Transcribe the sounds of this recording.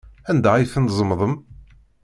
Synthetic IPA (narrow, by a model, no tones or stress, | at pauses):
ænd̪æiθənzˤəmðˤəm